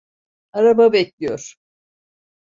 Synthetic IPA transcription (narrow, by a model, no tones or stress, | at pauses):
aɾababɛclʲijoɾ̥